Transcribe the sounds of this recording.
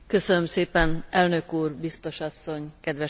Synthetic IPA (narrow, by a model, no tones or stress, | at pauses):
kø̞sønømseːpɛnɛlnø̞kuːrbist̪o̞ʃɒsːo̞ɲkɛd̪ʋɛ